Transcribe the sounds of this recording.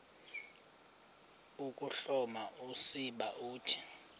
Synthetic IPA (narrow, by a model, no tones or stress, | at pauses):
ukʼuɬɔmaʔusiɓaʔuːtʰi̥